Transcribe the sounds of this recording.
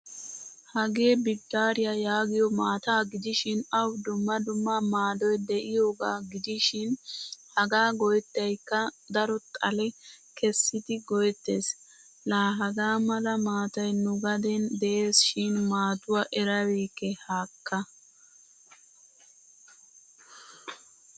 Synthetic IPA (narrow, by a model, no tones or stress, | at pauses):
hɐɡe̞ːbɪd̪ːaːɾɪjajaːɡɪjɔmaːt̪aːɡɪd̪ɪʃɪnɐwd̪ʊmːɐd̪ʊmːɐmaːd̪ɔjd̪ɛʔɪjoːɡaːɡɪd̪ɪʃɪnhɐɡaːɡɔjt̪ːɐjkːɐd̪ɐɾɔt̪ʼɐlɛkɛsːɪd̪ɪɡɔjt̪ːeːs | laːɦɐɡaːmɐlɐmaːt̪ɐjnʊɡɐd̪ɛnd̪ɛʔeːsʃɪnmaːt̪ʊwaʔɛɾɐwiːkːɛhaːkːɐ